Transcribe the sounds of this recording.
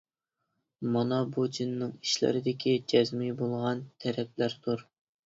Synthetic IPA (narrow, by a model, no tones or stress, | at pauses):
mɑnɑbud͡ʒinːɨŋi̥ʃlɪ̰ɾɪd̪ɪkʲʰid͡ʒɛzmibolˠʁɑnt̪ʰɛɾɛp̚læɾt̪ʰuɾ